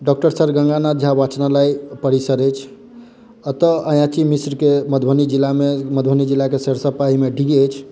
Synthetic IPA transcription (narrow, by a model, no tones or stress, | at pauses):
ɖɔk̚ʈəɾsəɾɡə̃ŋɡanad͡ʒʱabat͡ʃnalaipəɾisəɾəjt͡ʃʰ | ət̪əəjãt͡ʃimisɾkeməd̪ʱbʱənid͡ʒilːameməd̪bʱənid͡ʒilːakeseɾsəpaimeɖʱiɾiəjt͡ʃʰ